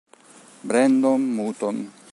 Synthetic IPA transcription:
bɾend̪omːut̪on

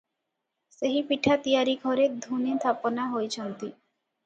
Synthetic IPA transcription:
seɦipiʈʰat̪ijaɾiɡʱɔɾed̪ʱunet̪ʰaponaɦojt͡ɕʰɔnt̪i

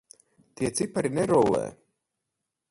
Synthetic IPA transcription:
t̪iɛt̪sipaɾinɛɾɔlɛ̰ː

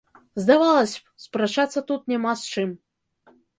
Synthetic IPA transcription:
zd̪avalˠɐsʲ | spɾat͡ʂat̪sːɐt̪ut̪nʲamast͡ʂɨm

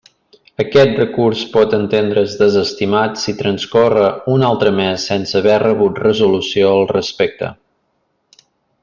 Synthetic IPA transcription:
əkɛt̪̚rəkuɾspɔt̪ənt̪end̪ɾəzðəzəst̪imat̪sit̪ɾənskorəunalˠt̪ɾəmɛsːɛnsəːβɛrəβ̞ut̪rəzulusioəlˠrəspɛk̚t̪ə̰

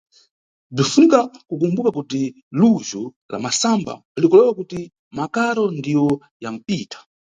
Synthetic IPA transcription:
b͡ʐifunikakuk̬umbukakuti | luʒɔ | la̰masamba̰ | alikɔlɛwakuti | makaɾɔndijɔ | jam̩piːtḁ

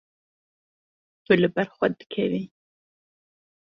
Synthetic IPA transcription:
t̪ʰulɨbɛɾxʷɐd̪ɨ̥kʰɛvi

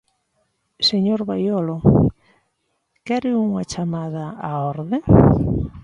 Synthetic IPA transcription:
seɲoɾβajɔlo | kɛɾɪuŋat͡ʃamaðɐaɔɾðe

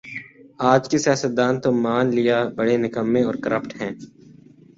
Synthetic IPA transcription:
aːd͡ʒkisɪjaːsət̪̚d̪aːnt̪omaːnlɪjabɐɽenɪkəmːẽɔːɾkəɾəpʈɦɛ̃ː

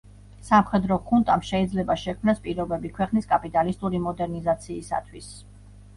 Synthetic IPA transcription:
samχɛd̪ɾɔkʰunt̪ʼamʃɛid̪zlɛbaʃɛkʰmnaspʼiɾɔbɛbikʰwɛqʼniskʼapʼit̪ʼalist̪ʼuɾimɔd̪ɛɾnizat̪sʰiːsa̰t̪ʰwis

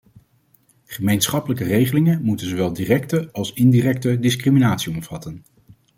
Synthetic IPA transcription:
χəmejnsχɑpələkərejχəlɪŋənmutənzoʋɛlˠdirɛk̚təɑlˠsɪndirɛk̚tədɪskriminaːtsiɔmv̥ɑtən

